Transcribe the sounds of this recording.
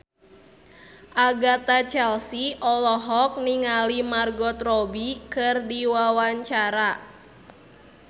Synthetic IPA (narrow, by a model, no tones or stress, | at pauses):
ʔaɡat̪at͡ʃɛlsiʔɔlɔɦɔk̚niŋalimarɡɔt̪rɔbikɨrdiwawaɲt͡ʃaɾa